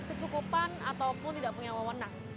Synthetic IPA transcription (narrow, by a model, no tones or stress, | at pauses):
kət͡ʃukupanat̪awpʊnt̪idaʔpuŋawawənaŋ̚